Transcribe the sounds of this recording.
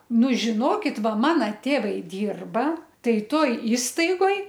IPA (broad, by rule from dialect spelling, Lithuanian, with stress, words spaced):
ˈnʊ ʒʲɪˈnoːkʲɪt ˈʋɐ ˈmɑːnɐ ˈtʲeːʋɐɪ ˈdʲiːrbɐ ˈtɐɪ ˈtoːj ˈiːstɐɪɡoːj